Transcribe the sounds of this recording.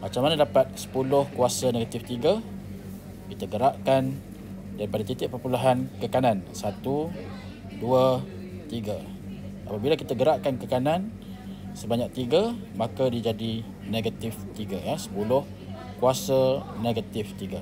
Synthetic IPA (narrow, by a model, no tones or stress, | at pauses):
mat͡ʃamːanadapat̪̚sə̥pulʊhkuasaneɡat̪ɪft̪iɡa | kit̪aɡəɾaʔkan | daɾipadat̪it̪ɪʔ̚pərpuluɦankəkanansat̪u | dua | t̪iɡa | a̰pabilakit̪aɡəɾaʔkankəkanan | səbaɲak̚t̪iɡamakadid͡ʒadi | neɡat̪ɪft̪iɡaɛsə̥pulʊh | kuasaneɡat̪ɪft̪iɡa